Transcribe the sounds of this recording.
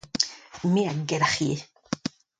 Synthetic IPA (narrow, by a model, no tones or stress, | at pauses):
miaɡɛɾaxi